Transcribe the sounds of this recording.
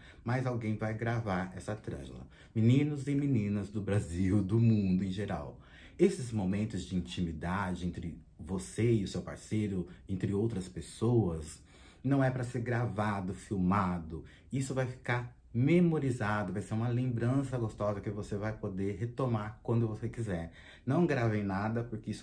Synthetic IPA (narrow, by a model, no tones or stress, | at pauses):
majzawɡẽj̃vajɡɾavaɾɛ̰sɐt̪ɾɐ̰̃ʒlɐ̰ | minĩnʊzɪmĩnĩnɐzd̪ʊbɾaziwd̪ʊmũnd̪ʊẽj̃ʒeɾa̰w | esɪzmomẽnt̪ʊzd͡ʒɪĩt͡ʃĩmid̪ad͡ʒɪẽnt̪ɾɪ | voseɪʊsewpa̰ɾsejɾʊẽnt̪ɾɪowt̪ɾɐspesowɐs | nɐ̃w̃ɛpɾɐseɾɡɾavad̪ʊfiwmad̪ʊ | isʊvajfi̥kaɾ | memoɾizad̪ʊvajseɾũmɐlẽmbɾɐ̃sɐɡost̪ɔzɐkɪvosevajpod̪eɾɦet̪omaɾkwɐ̃nd̪ʊvosekizɛɾ | nɐ̃w̃ɡɾavẽj̃nad̪ɐpʊɾkɪisʊ